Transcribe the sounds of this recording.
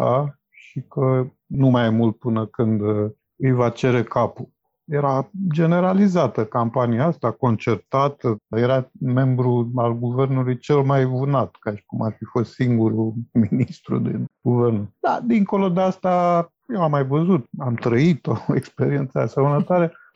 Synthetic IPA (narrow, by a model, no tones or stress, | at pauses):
a̰ | ʃikə | numajmult̪̚pɨnəkɨnd̪ | ɨjvat͡ʃe̞ɾe̞kapul | je̞ɾad͡ʒe̞ne̞ɾalizat̪əkampaniaast̪ako̞nt͡ʃe̞rt̪at̪əje̞ɾame̞mbɾualɡuve̞rnulujt͡ʃe̞lmajvunat̪kaʃi̥kumarfifo̞st̪siŋɡuɾuminist̪ɾṵd̪inɡ̥uve̞rnud̪̥a̰d̪iŋko̞lo̞d̪east̪a | jewamːajvəzut̪amt̪ɾəit̪oḛkspe̞ɾie̞nt̪sa̰sewnət̪oaɾe